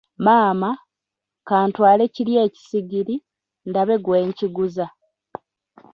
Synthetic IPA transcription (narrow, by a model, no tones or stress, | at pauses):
maːma | kaːntwaːle̞ciljeːci̥siɡiɾi | ndaβe̞ɡwe̞ːɲciɡuza